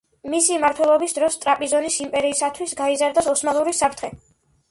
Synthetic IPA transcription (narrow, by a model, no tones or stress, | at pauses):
misimaɾt̪ʰwɛlˠɔbisd̪ɾɔst̪ʼɾapʼizɔnisimpʼɛɾiːsat̪ʰwisɡaizaɾd̪asɔsmalˠuɾisapʰt̪ʰχɛ